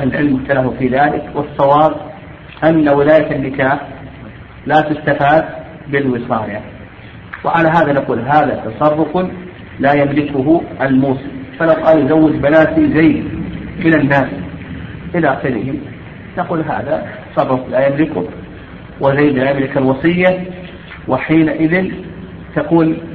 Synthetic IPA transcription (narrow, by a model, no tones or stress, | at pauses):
ʔahlɪlʕɪlmʊbt̪alahfiːðaːlɪ̰kwɑsˤːɑwɑːb | ʔanːawɪlaːjaanːɪkaːħ | laːt̪ʊst̪afaːd̪̚ | bɪlwɨsˤɑːja | wʔɪʕalaɦaːðanaquːlɦaːðat̪ɑsˤɑrˤːʊf | laːjamlɪkʊɦʊʔalmuːsɨmfalawqɑːljzawːɪd͡ʒbanaːt̪izajd̪mɪnanːaːs | ʔɪlaʔaxɪɾɪhɪ | naquːlɦa̰ːða̰t̪ɑ̥sˤɑrˤʊflajamlɪkʊh | wʔɪzajd̪laːjamlɪkalwɑsˤɨjːa | wɪħiːnaʔɪðɪn | t̪akuːl